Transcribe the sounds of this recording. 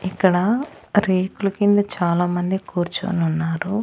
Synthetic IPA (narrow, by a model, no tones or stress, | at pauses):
ikːɐɽɐ | ɾeːkulukind̪ɐt͡ʃaːlaːmɐnd̪ikuːɾt͡ʃo̰ːnunːaːɾu